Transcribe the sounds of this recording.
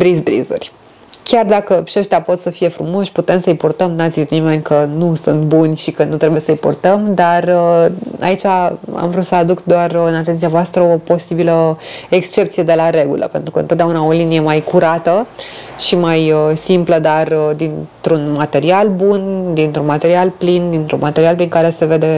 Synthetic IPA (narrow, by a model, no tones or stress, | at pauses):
bɾizbɾḭzṵrʲ | kʲard̪akəpʃeʃt̪ʲapo̞t̪səfije̞fɾumo̞ʃʲput̪e̞msəɨjpurt̪əmnat̪zit̪sʲnime̞nʲkənusunt̪̚bunʲʃikənut̪ɾebujesəjpurt̪əmd̪arəa̰it͡ʃaa̰mvɾut̪səad̪ukd̪oarɨnat̪e̞nt̪sijavoast̪ɾəo̞po̞sibiləekst͡ʃe̞p̚t̪sije̞d̪e̞laɾe̞ɡṵlʔə̰pent̪ɾukəɨnt̪ot̪d̪aunao̞linije̞majkuɾat̪əʃimajəsimpləd̪arəd̪int̪ɾunmat̪e̞ɾialbund̪int̪ɾunmat̪e̞ɾialplind̪int̪ɾṵnmat̪eɾialpɾiŋkaɾe̞se̞ve̞d̪e̞